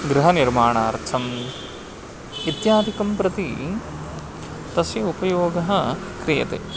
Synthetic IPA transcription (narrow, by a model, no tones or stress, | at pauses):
ɡɾɐɦɐniɾmaːɳaːɾt͡ʃʰɐm | it̪jaːd̪ʱikɐmpɾɐt̪i | t̪ɐsjɐupɐjoːɡɐɦɐ̆kɾijɐ̰t̪ḛː